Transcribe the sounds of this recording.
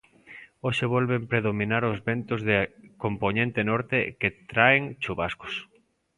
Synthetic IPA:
oʃeβ̞ɔlβempɾeðomĩnaɾʊzβent̪ʊzðekompoɲẽnt̪enɔɾt̪eket̪ɾaeŋt͡ʃuβaskʊ̥s

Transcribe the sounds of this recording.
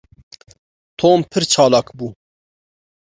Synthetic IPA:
t̪ʰoːmpʰɨɾt͡ʃʰɑːlɑːkbuː

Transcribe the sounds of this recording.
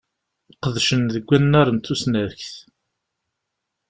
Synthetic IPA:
qəðʃənðəɡʷːænːæɾˤənt̪usnæðçθ

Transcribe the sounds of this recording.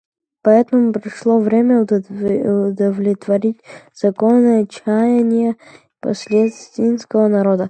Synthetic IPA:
poɛt̪nomupɾiʃlˠɔvɾɛmɛud̪ovlʲɛt̪vɐɾit̪ʲz̥ɐkɔnːəɛt͡ʃajɛnijəipo̰slʲɛt̪st̪inskoənɐɾɔd̪ə

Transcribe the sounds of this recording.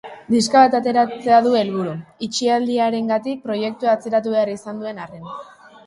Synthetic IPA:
d̪iskaβat̪at̪e̞ɾat͡se̞aðue̞lβ̞uɾuit͡ʃiald̪iaɾe̞ŋɡat̪ik̚pɾo̞je̞k̚t̪uaːt͡se̞ɾat̪̬uβe̞arisand̪ue̞naren

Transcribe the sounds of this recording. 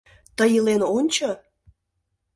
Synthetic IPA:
t̪əjəlenonʲt͡ɕo

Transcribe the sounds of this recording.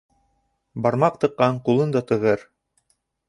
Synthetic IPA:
bɑɾmɑq̚t̪ɤ̆qːɑɴqulˠɤnd̪ɑt̪ɤ̆ʁɤɾ

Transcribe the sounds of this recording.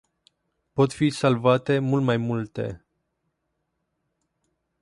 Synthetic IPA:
po̞t̪fisalvat̪e̞mult̪majmult̪e̞̰

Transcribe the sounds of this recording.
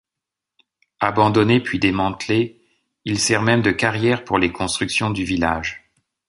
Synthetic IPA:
abɑ̃d̪ɔnepɥid̪emɑ̃t̪le | ilsɛʁmɛmd̪əkaʁjɛʁpuʁlekɔ̃st̪χyksjɔ̃d̪yvilaʒ

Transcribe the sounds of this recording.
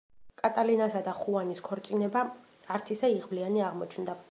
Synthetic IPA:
kʼat̪ʼalinasad̪aχuaniskʰɔɾt̪sʼinɛbaː | ɾt̪ʰisaiʁblianiaʁmɔt͡ʃʰnd̪a

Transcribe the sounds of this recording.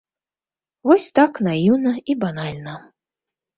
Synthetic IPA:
vɔsʲt̪aknajiwnɐibanalʲnɐ

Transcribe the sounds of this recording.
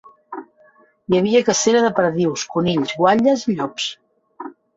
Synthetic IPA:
jəβiəkəseɾəðəpɾðiwskuniʎzɣwaʎəziʎɔps

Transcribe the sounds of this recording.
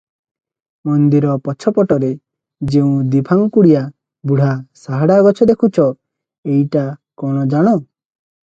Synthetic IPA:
mɔnd̪iɾɔpɔt͡ʃʰɔpɔʈɔɾe | d͡ʒeũd̪ibʰʱaŋkuɽija | buɽ̤asaɦaɽaɡɔt͡ʃʰɔd̪ekʰut͡ʃʰɔ | eiʈakɔɽ̃ɔd͡ʒaɽ̃ɔ

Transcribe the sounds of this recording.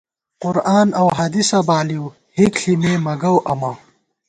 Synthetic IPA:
qʊɾaːnɐwɦaːd̪isɐbaːliw | hikɬimeːmɐɡɐwʔɐmɐ

